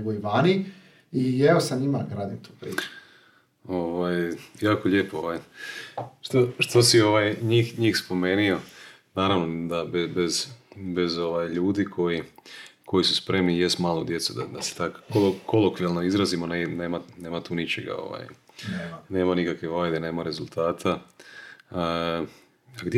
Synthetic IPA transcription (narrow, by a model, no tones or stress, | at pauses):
ɡoiʋaːni | ieosanimaɡɾaːd̪imt̪uːpɾḭːu | oʋajjaːkoʎepooʋaj | ʃt̪oʃt̪osio̞ʋajɲiːxɲiːxspo̞me̞ːnio̞ | naːɾaʋnod̪abebezbe̞zo̞ʋajʎuːd̪ikʰo̞jikʰo̞jisuspɾe̞mnijest̪maːlˠod̪je̞t̪sud̪ad̪ase̥t̪akkoloko̞lˠokʋialno̞izɾazimo̞neneːmane̞ːmat̪uːnit͡ɕeɡa̰o̞̰ʋa̰j | ne̞ːmanikakʋeʋaːjd̪ene̞ːmaɾe̞zulˠt̪ʰaːt̪ʰa | aɡd̪